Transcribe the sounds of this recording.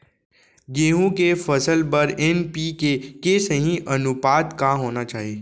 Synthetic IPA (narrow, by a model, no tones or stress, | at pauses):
ɡeːɦũkefɐsəlpɐɾɛnpikekesəɦĩʔɐnʊpaːt̪kaɦoːnat͡ʃaːɦieː